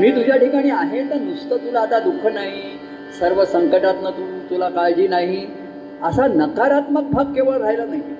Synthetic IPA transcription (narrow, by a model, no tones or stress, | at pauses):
miːt̪ud͡ʑʱjaʈikaɽ̃iːaɦet̪əɾnust̪ət̪ulaːt̪ad̪ukʰːənaɦi | səɾʋəsəŋkəʈat̪nət̪ʰuut̪ulakajd͡ʑiːnaɦi | əsanəkaɾat̪məɡ̚bʱakkeʋəɭɾajlanaɦi